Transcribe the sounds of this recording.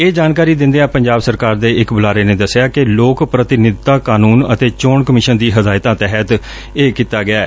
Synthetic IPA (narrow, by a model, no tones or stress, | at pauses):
eːd͡ʒaːnkaːɾiːd̪ɪ̃nd̪eːãːpəɲd͡ʒaːbsəɾkaːɾd̪eːɪkbʊlaːɾeːnẽːd̪əsːɪjaːkɪloːkpɾət̪ɪnɪd̪t̪aːkaːnuːnə̰t̪eːt͡ʃoːɳkəmɪʃənd̪iːɦəd̪aːɪt̪ãːt̪ɛːɦət̪ | eːkiːt̪aːɡɪjaːɛ̰ː